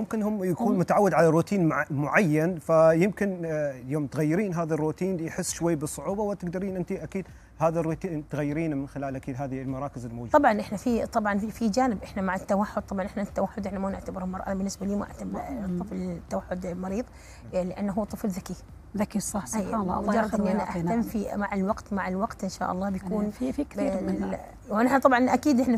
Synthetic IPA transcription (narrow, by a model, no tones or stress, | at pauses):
mʊmkɪnhʊmjakuːnmʊt̪aʕawːɪd̪ʕalarːuːt̪iːnmʊʕajːanfajɪmkɪnjoːmt̪ɣajːɪɾiːnɦaːðarːuːt̪iːnjħɪsːʃwajːbɨsˤːʊʕuːbawɪt̪ɪɡd̪ɑɾiːnʔɪnt̪iʔakiːd̪ | haːðarːut̪iːnt̪ɣajːɪɾiːnmɪnxɪlaːlʔakiːd̪ɦaːðilmɑɾˤɑːkɪzɪlmod͡ʒuˤɑbʕɑnʔɪħnafit̪ˤɑbʕɑnfid͡ʒaːnɪbʔɪħnamaʕat̪ːawaħːʊd̪̚t̪ˤɑbʕɑnʔɪħnat̪ːawaħːʊd̪ʔɪħnamanɪʕt̪abɪɾɪlmɑɾˤʔa̰bɪnːɪsbaliːmaʔɪ̰ʕt̪abt̪ˤːɨflt̪ːawaħːʊd̪mɑɾiːðˤ | lɪʔanːɦuːt̪ˤːɨflðaki | ðakisˤɑħsʔajalːɑ̰d͡ʒɑɾˤːɑd̪ʔɪnːiʔanːiʔaħtamːfimaʕɪlwɑɡt̪maʕɪlwɑɡt̪ʔɪnʃa̰ːʔɑ̰lˤːɑːbjakuːnfikiːɾ | wnɪħnat̪ˤɑbʕɑnʔakiːd̪ʔɪħna